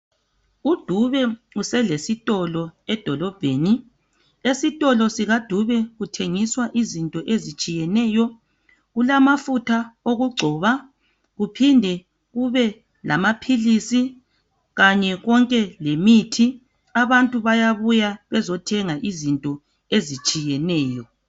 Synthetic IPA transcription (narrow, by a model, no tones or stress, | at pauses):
ud̥ʱuβɛ | usɛlesitʼɔlɔɛd̥ʱɔlɔb̥ʱeːni | esitʼɔlɔsiɣad̥ʱuβɛɣutʰeŋiswaʔizintʼɔʔezit͡ʃʼijɛnɛːjɔ | ɣulamafutʰaoɣuɡ͡ǀʱɔːβa | ɣupʰindʱɛ | ɣuβɛ | lʔa̰mapʰilisi | ɣaɲɛɣɔŋkʼɛlemitʰi | aβantʼuβajaβujaβɛzɔtʰɛŋaʔizintʼɔ | ezit͡ʃʼijɛnɛːjɔ